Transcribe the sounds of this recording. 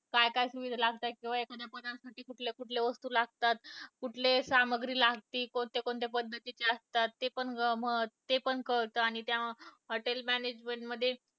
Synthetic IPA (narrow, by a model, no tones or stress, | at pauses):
kajkajsuʋid̪ʱalaɡt̪akĩw̃ʋaekəd̪japəd̪ansaʈiːkuʈʰlekuʈʰleʋəst̪uːlaɡ̚t̪at̪kuʈʰlesaməɡɾiːlaɡt̪iːkoɳt̪ekoɳt̪epəd̪ʱːət̪it͡ɕeəst̪at̪ːepəɳmət̪epəɳkəɭt̪əːaɽ̃it̪jaɦoʈelmæned͡ʑmeɳʈməd̪ʱːje